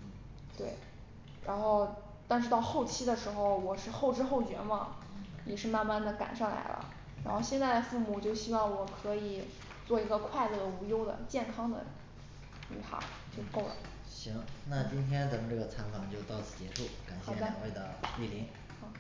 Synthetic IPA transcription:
t̪we˥˩ɪ | ɻa˧˥nxo˥˧ʊ | t̪a˥˧nʂɻ̩˥˧t̪ɑ˥˧ʊxo˥˩ʊt͡ɕʰi˥d̪ə˨ʂɻ̩˧˥xo˧ʊwɔ˨˩ʂɻ̩˥˧xo˥˩ʊʈ͡ʂɻ̩˥xo˥˩ʊt͡ɕɥɛ̰˧˥nwɑ̰˨˩˦ŋjɛ˨˩ʂɻ̩˥˧ma˥˧nma˥˩nd̪ə˩ka̰˨˩nʂɑ˥˩ŋla̰˧˥ɪlə̰˧ | ɻa̰˧˥nxo˥˧ʊɕjɛ˥˧nt͡sa˥˩ɪd̪ə˩fu˥˩mu˨˩t͡ɕjo˥˧ʊɕi˥wɑ˥˩ŋwɔ˨˩kʰɤ˧˥i˨˩ | t͡swɔ˥˩i˧˥ɡə˧kʰwa˥˧ɪlɤ˥˩d̪ə˩u˧˥jo˥ʊd̪ə̰˨t͡ɕjɛ˥˩nkʰɑ˥ŋd̪ə̰˨ | ny̰˨˩t̪ʰa̰˧˥ | t͡ɕjo˥˧ʊʂko˥˩ʊlə̰˨˩ | ɕi˧˥ŋna˥˩t͡ɕi˥nt̪ʰjɛ˥nt͡sa˧˥mə˧nʈ͡ʂɤ˥˩ə˩t͡sʰa˧˥nkʰɑ˨˩ŋt͡ɕjo˥˧ʊt̪ɑ˥˧ʊt͡sʰɹ̩˥˩t͡ɕjɛ˧˥ʂu˥˩ka˨˩nɕɛ˥˧a˨˧˨we˥˩ɪd̪ə˩li˥˩li˧˥˩

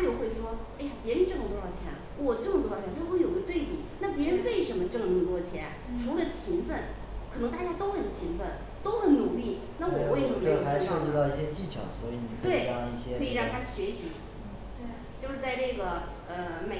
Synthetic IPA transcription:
t͡ɕjo˥˩ʊxwe˥˩ɪʂwɔ˥a˥˩ɪa˨˩pjɛ˧˥ɻə˧˥nʈ͡ʂɤ˥˩mə˩t̪o˧˥jɑ˥˩ʊt͡ɕʰjɛ̰˧˥n | wɔ˨˩ʈ͡ʂɤ˥˩mə˩t̪jʰjna˥˩wɔ˧˥˩jo˨˩ɡə˦t̪we˥˩ɪpḭ˨˩˦na˥˩p̬jɛ˧˥ɻə˧˥nwe˥˩ɪʂə˧˥nmə˧ʈ͡ʂɤ˥˧˩mə˩nu˧˥˩t̪wɔ˥˩t͡ɕʰjɛ˧˥n | ʈ͡ʂʰu˧˥lə˧t͡ɕʰi˧˥ŋfə˥˩n | kʰɤ˨˩ɤ˧˥ŋt̪a˥˩t͡ɕja˥t̪o˥ʊxə˨˩nt͡ɕʰi˧˥ŋfə˥˩n | t̪o˥ʊxə˨˥nnu˨˩li˥˩ | na˥˩wɔ˨˩xwe˥˩ʈ͡ʂxa˧˥ɪ˥ʂɤ˥˧t͡ɕi˥˧t̪ɑ˥˧ʊi˥˩ɕjɛ˥t͡ɕi˥˩t͡ɕʰjɑ̰˨˩ʊswɔ˧˦˥i˧˥ni˨˩kt̪we˥˩ɪki˥˩ɕjɛ˥ɤ˧˥i˨˩ɻɑ˥˩ŋt̪ʰa˥˩ɕɥɛ˧˥ɕi˧˥ | t͡ɕjo˥˧ʊʂɻ̩˥˧t͡sa˥˧ɪʈ͡ʂɤ˥˩ɡə˩ | ə˧me˨˩

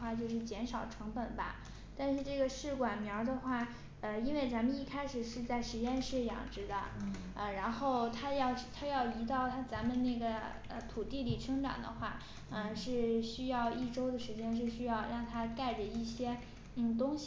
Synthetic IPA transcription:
xwa˥˧t͡ɕjo˥˧ʊʂɻ̩˥˩t͡ɕjɛ˧˥nʂɑ˨˩ʊʈ͡ʂʰɤ˧˥ŋpə˨˩nbɐ̰˦ | t̪a˥˧nʂɻ̩˥˧ʈ͡ʂɤ˥˩ɡə˩ʂɻ̩˥˩kwa˨˩nmjɑ˧˥ʊd̪ə˧xwa˥˩ | ə˧i˥nwe˥˩ɪt͡sa˧˥mə˧ni˥˩kʰa˥ɪʂɻ̩˨˩ʂɻ̩˥˧t͡sa˥˩ɪʂɻ̩˧˥t͡ɕjɛ˥˧nʂɻ̩˥˩jɑ̰˨˩ŋʈ͡ʂɻ̩˧˥d̪ə̰˧ | ə˧ɻa˧˥nxo˥˩ʊt̪ʰa˥jɑ˥˩˧ʊ˥˩t̪ʰa˥jɑ˥˩ʊli˧˥t̪ɑ˥˩ʊt̪ʰa˥t͡sa˧˥nmə˧nna˥˩ɡə˩ | ə̰˧t̪ʰu˨˩t̪i˥˩li˨˩ʈ͡ʂʰɤ˥ŋʈ͡ʂa̰˨˩ŋd̪ə̰˦xwa˥˩ | ə˧ʂɻ̩˥˩ɕy˥jɑ˥˧ʊi˥˩ʈ͡ʂo˥ʊd̪ə˨ʂɻ̩˧˥t͡ɕjɛ˥nʂ̬ɻ̩˥˩ɕy˥jɑ˥˧ʊɻɑ˥˩ŋt̪ʰa˥ka˥˩ɪʈ͡ʂə˩i˥˩ɕjɛ˥ | n̩˥˩t̪̬ʊ˥ŋɕ

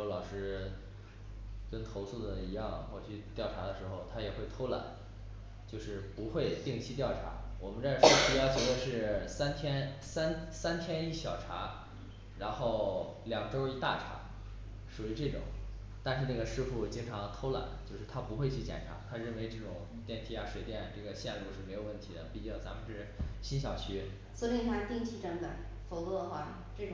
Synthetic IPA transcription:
lɑ˨˩ʊʂɻ̩˥ | kə˥nt̪ʰo˧˥ʊsu˥˩d̪ə˩i˧˥jɑ˥˧ŋxwɔ˥˩t͡ɕʰy˥˧t̪jɑ˥˩ʊʈ͡ʂʰa˧˥d̪ə˧ʂɻ̩˧˥xo˥˧ʊt̪ʰa˥jɛ˨˩xwe˥˩ɪt̪ʰo˥ʊla̰˨˩˦n | t͡ɕjo˥˧ʊʂɻ̩˥˩pu˧˥xwe˥˧ɪt̪i˥˩ŋt͡ɕʰi˥t̪jɑ˥˩ʊʈ͡ʂʰa̰˧˥wɔ˨˩mə˦nʈ͡ʂə˥˩ɔ˥pi˥˩jɑ˥˩t͡ɕjwɛ˧˥d̪ə˧ʂɻ̩˥˩sa˥nt̪ʰjɛ˥nsa˥nsa˥nt̪ʰjɛ˥ni˥˩ɕjɑ˨˩ʊʈ͡ʂʰa̰˧˥ | ɻa˧˥nxo˥˩ʊ | ljɑ˨˩ŋʈ͡ʂo˥ʊi˥˧t̪a̰˥˩ʈ͡ʂʰa̰˧˥ | ʂu˨˩y˧˥ʈ͡ʂɤ˥˩ʈ͡ʂʊ̰˨˩˦ŋ | t̪a˥˧nʂɻ̩˥˧na˥˩ɡə˩ʂɻ̩˥˧fu˥˩t͡ɕi˥ŋʈ͡ʂʰɑ˧˥ŋ˧t̪ʰo˥ʊla̰˨˩˦n˦t͡ɕjo˥˧ʊʂɻ̩˥˩t̪ʰa˥pu˧˥xwe˥˧ɪt͡ɕʰy˥˩t͡ɕjɛ̰˨˩nʈ͡ʂʰa̰˧˥t̪ʰa˥ɻə˥˩nwe˧˥ɪʈ͡ʂɤ˥˩ʈ͡ʂʊ˨˩ŋ | t̪jɛ˥˩nt̪ʰi˧˥a˧˩ʂwe˨˩ɪt̪jɛ˥˩n˩ʈ͡ʂɤ˥˩ɡə˩ɕjɛ˥˧nlu˥˧ʂɻ̩˥˩me˧˥ɪjo˨˩ʊwə˥˩nt̪ʰi˧˥d̪ə̰˧pi˥˩t͡ɕi˥˩t͡sa˧˥mə˧nʂɻ̩˥˩ɕi˥nɕ̬jɑ˨˩ʊt͡ɕʰy˥ | so˧˥i˥˩t̪ʰa˥˧t̪i˥˧ŋt͡ɕʰi˥˩ʈ͡ʂə˧˥npə̰˨˩˦n | fo˧˥ʊkɔ˥˩xwa˥˩ | ʈ͡ʂɤ˥˩ʈ͡ʂʊ˨˩ŋ

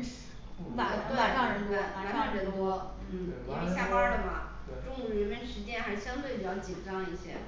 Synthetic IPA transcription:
ma˨˩˧pu˧˥pa˨˩kɑ˥˩ŋ˨˩u˥ka˨˩a˧˥k̪ɑ˥˩ŋʈ͡ʂʰɛ˧˥˧wɔ˥ | n̩˥˩˧ɕja˥˩pa˧˥d̪ə˨mɐ̰˨˩ | ʈ͡ʂʊ˥˧ŋ˧˩ɻə˧˥nmə˥nʂɻ̩˧˥t͡ɕjɛ˥˩nx̩˧˥˧ɕjɑ˥ŋt̪we˥˩ɪpi˨˩t͡ɕjɑ˥ʊt͡ɕi˨˩nʈ͡ʂɑ˥˧ŋi˥˩ɕjɛ˥

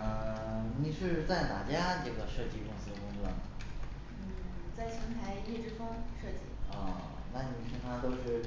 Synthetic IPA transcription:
ə˥˧ni˨˩ʂɻ̩˥˧t͡sa˥˩ɪna̰˥˩t͡ɕja˥ʈ͡ʂɤ˥˩ɡə˩ʂɤ˥˧t͡ɕi˥˩kʊ˥˩ŋsɹ̩˧˥d̪ə˨˧kʊ˥ŋt͡swɔ˥˩nə˩ | n̩˥˩t͡sa˥˩ɪt͡ɕʰi˧˥ŋt̪ʰa˧˥ɪjɛ˥˧ʈ͡ʂɻ̩˥˧fɤ˥ŋʂɤ˥˧t͡ɕḭ˥˩ə˥˧˩ | na˥˩ni˨˩ɕʰi˧˥t̪ʰa˥t̪o˥ʊʂɻ̩˥˩

